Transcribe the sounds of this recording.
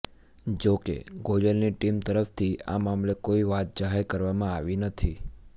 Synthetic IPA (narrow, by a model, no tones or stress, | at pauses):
d͡ʒokḛɡod͡ʒəlniʈimt̪əɾəft̪ʰia̰mamlekoiʋat̪̚d͡ʒaɦeɾkəɾʋamãaʋinət̪ʰi